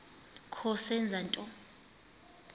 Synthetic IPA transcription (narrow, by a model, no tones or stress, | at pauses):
kʰɔsɛnd͡zʱantʼɔ